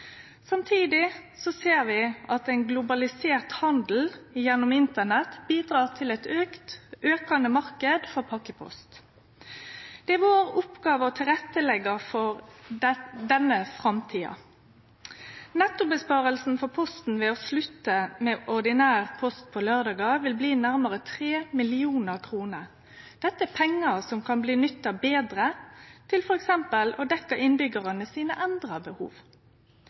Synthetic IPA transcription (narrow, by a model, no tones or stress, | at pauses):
sɑmt̪ʰiːd̪ɪsɔseːʁʋɪʔɑt̪ɛɪnɡlʊbɑlɪseːʁt̪hɑnd̪l̩jɛnːʊmɪnt̪ənɛt̪biːd̪ʁɑːʁt̪ʰɪlɛt̪øːkt̪øːkɑnəmɑʁkəd̪fɔʁpʰɑkəpʰɔ̰st̪ | d̪̥ɛæʋoːʁʊpɡɑːʋəɔt̪ʰɪlʁɛt̪ːəlɛɡɑfɔɾ | d̪ɛnːəfʁɑmt̪ʰiːɑ̰ | nɛt̪ːʊbəspɑːʁəlsn̩fɔpʰɔst̪n̩ʋɛːɔslʉt̪ːəmɛːʔɔʁd̪ɪnæːʁpʰɔst̪̚pʰɔlœʁd̪ɑːɡɑʋɪlbliːnæɾməʁət̪ʰʁeːmɪlɪuːnəʁkʰʁuːnəʁ | d̪̥ɛt̪ːəɛpʰɛŋːəsɔmkʰɑnbliːnʏt̪ːɑbeːd̪ʁət̪ʰɪlfɔɾɛksɛmpəlɔd̪ɛkːəɪnbʏɡəʁɑnəsiːnəʔænd̪ʁɑbəhṵːʋ